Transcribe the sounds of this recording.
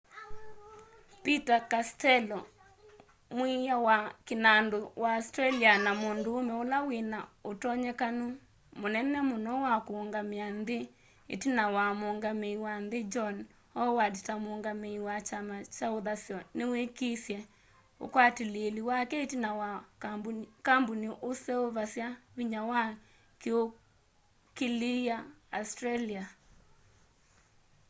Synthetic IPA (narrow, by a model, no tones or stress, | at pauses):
pitakastɛlɔ | mwijawakenandowaastɾɛlianamondoːmɛolawenaotɔɲɛkano | monɛnɛmonɔwakoːŋɡameanðe | ḛtinawamoŋɡameiwanðed͡ʒɔn | ɔwaditamoŋɡameiwat͡ʃamat͡ʃaoðasjɔnewekisjɛ | o̰kwateleeliwakɛetinawa | kamboniʔosɛoβasjaβiɲawa | keo | keliaastɾalia